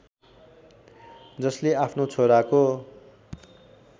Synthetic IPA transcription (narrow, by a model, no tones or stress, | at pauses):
d͡zʌsleapʰnot͡sʰoɾako